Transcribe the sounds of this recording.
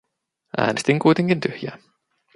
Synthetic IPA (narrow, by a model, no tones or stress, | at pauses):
ʔæ̰ːnest̪iŋkujt̪eŋk̟int̪yhjæ̰ː